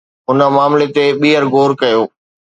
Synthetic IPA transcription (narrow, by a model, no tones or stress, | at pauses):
ʊnə̆maːmlet̪eɓiːɦəɾɡoːɾkɐjoː